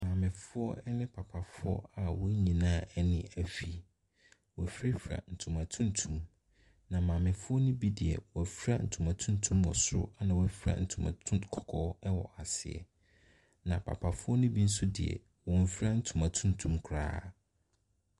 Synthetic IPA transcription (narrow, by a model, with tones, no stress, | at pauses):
mãː˨mɪ̃˨fʊ˦ɔ˦ɛ˦nɪ̃˦pʰa˨pʰa˨fʊ˦ɔ̰˦a˨wɔ˦ɲĩ˨nãː˦ɛ˦nɪ̃˦æ˦fi˦ | wɔ˨fɾi˦fɾa̰˨n̩˨tʰũ˨mã˨tʰũ˦n˦tʰũ˨m | nã˨mã˨mɪ̃˨fʊ˦ɔ˦nʊ̃˦bi˦dɪ˨ɛ̰˨wɔ˨fi˦ɾa˦n̩˨tʰũ˨mã˨tʰũ˦n˦tʰũ˦mwɔ˨sʊ̰˦a˦nã˨wɔ˦fi˦ɾa̰˦n̩˦˨tʰũ˨mã̰˨tʰũ˦kʰɔ̥˨kʰɔ˦ɛ˦wɔ˨ʔa˨sɪ˨ɛ̰˨ | nã˨pʰa̰˨pʰa˨fʊ˦ɔ˦nʊ̃˦bi˦n̩˦sʊ˦dɪ˨ɛ̰˨ | wɔ̃˨m̩˦fɾa˦n̩˦tʰũ˨mã˨tʰũ˦ntʰũ˦mkʰɾa̰ː˦